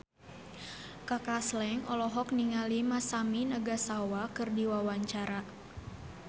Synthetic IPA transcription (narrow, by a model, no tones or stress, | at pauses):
kakaslɛŋɔlɔɦɔk̚niŋalimasaminaɡasawakɨrdiwawaɲt͡ʃaɾa